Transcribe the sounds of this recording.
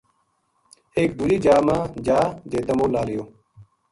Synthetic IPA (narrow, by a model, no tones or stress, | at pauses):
eːk̚d̪uːɾiːd͡ʒaːmãːd͡ʒaːd͡ʒ̪eːt̪əmõːlaːlɪjoː